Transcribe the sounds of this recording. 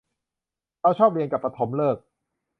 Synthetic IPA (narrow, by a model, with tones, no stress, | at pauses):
ɾa˦˥˩wt͡ɕʰɔː˥˩p̚li˧ənka˨˩pɾa˧t̪ʰo˩˦mlɤː˥˩k̚